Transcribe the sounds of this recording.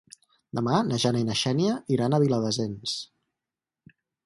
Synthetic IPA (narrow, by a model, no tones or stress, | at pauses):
d̪əmanəʒanəinəʃɛnijəiɾanəβiləðəzens